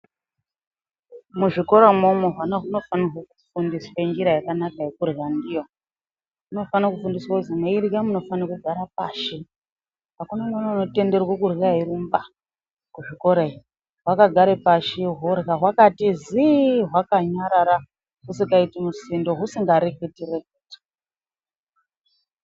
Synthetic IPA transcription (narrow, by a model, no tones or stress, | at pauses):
muʐiko̞ɾamomoɦwanaɦuno̞fanaɦwokufundiswaɲd͡ʒiɾajakanakajekurɣandijo̞ | ɦuno̞fanakufundiswauzimaiɾiɡamuno̞fanakuɡʱaɾap̚aːʃi | ɦakunamanauno̞te̞nde̞rwokurɣaɦiɾumba | kuʐiko̞ɾei | ɦwakaɡʱaɾepaʃiɦorɣaɦwakatiziɦwakaɲaɾaɾa | ɦusikaitimusindo̞ɦusiŋɡaɾeketirekuːti̥